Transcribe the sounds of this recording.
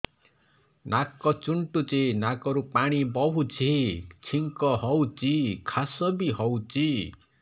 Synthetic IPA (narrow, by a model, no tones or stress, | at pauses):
nakɔt͡ʃuɳʈut͡ʃenakɔɾupaɽ̃ibɔɦut͡ʃʰit͡ʃʰiŋkɔɦɔwt͡ʃikʰasɔbiɦɔwt͡ʃi